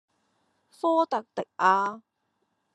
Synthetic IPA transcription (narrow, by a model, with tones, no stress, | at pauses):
fɔː˥t̪ɐ˨k̚t̪ɪ˨k̚ʔaː˧